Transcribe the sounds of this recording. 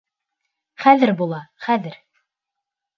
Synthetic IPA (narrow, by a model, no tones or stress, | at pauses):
χæðɘɾbulˠɑχæðɘɾ